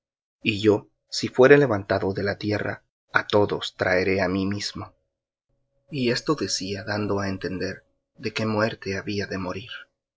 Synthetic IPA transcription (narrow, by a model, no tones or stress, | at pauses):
iʝo̞ | sifwe̞ɾe̞le̞βant̪aðo̞ðe̞lat̪je̞ra̰ | at̪o̞ðo̞̰st̪ɾae̞ɾe̞amimizmo̞ | ie̞st̪o̞ðe̞siaðand̪oae̞nt̪e̞nd̪e̞ɾ | ðe̞ke̞mwe̞ɾt̪e̞aβiaðe̞mo̞ɾiɾ